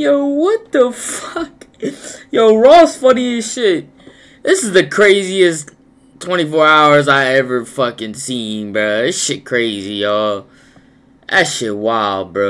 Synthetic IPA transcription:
jowʌt̪̚əfʌk | joʊɹɔsfʌniɨʃɪt̚ | ðɪsɨzðɨkʰɹ̥eɪziɨs | tʰw̥ɛ̃ɾ̃ifɔɹaʊə˞zaɪɛvə˞fʌkɨ̃nsiɪ̃ŋbʌɪʃɪt̚kʰɹ̥eɪzijɔ | ʔæ̰ʃɪt̚waɪl̚ˠbɹʌ

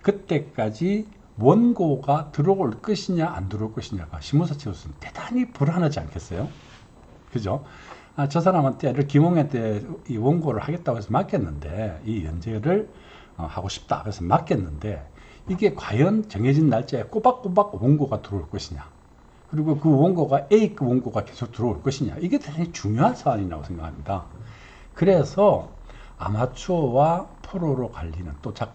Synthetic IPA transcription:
kɯt͈e̞k͈ad͡ʑi | wʌnɡoɡatɯɾʌoɭk͈ʌɕʰiɲaa̰ndɯɾoɭk͈ʌɕʰiɲaɡaɕʰimosʰat͡ɕʰeos͈ʰɯnte̥d̥aŋipuɾanad͡ʑia̰nkʰe̞s͈ʌjo | kɯd͡ʑo | at͡ɕʌsʰaɾamɦantʰeɾɯɭkimʌŋentʰeiwʌnɡoɾɯɭhaɡe̞t̚t͈aɡoɯɾesʰʌmak͈ʰe̞nːɯnde̞̰ijʌ̰nd͡ʑe̞ɾɯɭ | ʌ̰haɡoɕʰi̥p̚t͈a̰kɯɾesʰʌmakʰe̞nːɯnde̞ | iɡe̞kwajʌnt͡ɕʌŋɦed͡ʑinːaɭt͡ɕ͈eek͈obak̚k͈obak̚woŋɡoɡatɯɾouɭk͈ʌɕʰiɲa | kɯɾiɡokɯwʌŋɡoɡaʔeikwoŋɡoɡake̞sʰok̚tɯɾʌuɭk͈ʌɕʰiɲa̰iɡe̞tʰesʰet͡ɕuŋjoɦansʰaaɲiɾa̰ɡosʰe̞ŋɡakʰamɲida | kɯɾe̞sʰʌ | a̰mat͡ɕʰwapʰoɾoɾokaʎːinɯnt͈ot͡ɕak

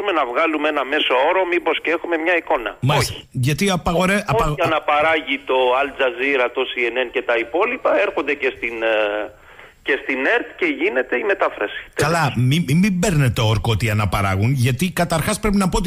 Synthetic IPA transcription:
ume̞nɐvɣɐlumenɐme̞soo̞ɾo̞mipo̞scee̞xume̞mɲɐiko̞nɐ̰mɐi̥ʝɐt̪iɐpɐɣoɾeʔɐɐɣɐnɐpɐɾɐʝit̪o̞ɐld͡zɐziɾɐt̪o̞sienence̞t̪ɐipo̞lipɐe̞ɾxo̞nd̪e̞ce̞st̪in | ce̞st̪ine̞ɾt̪ceʝine̞t̪e̞ime̞t̪ɐfɾɐsi̥t̪kɐlɐmimimbeɾnet̪ooɾkot̪iɐnɐpɐɾɐ̰ɣunʝɐt̪ikɐt̪ɐɾxɐspɾe̞pinɐpot̪i

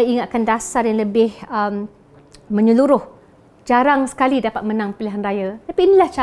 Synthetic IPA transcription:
iŋat̪̚kandasarjaŋləbɪhəm | mə̃ɲəluɾʊh | d͡ʒaɾaŋsə̥kalidapat̪̚mənãŋpiliɦanrajat̪apiːnilaht͡ʃa

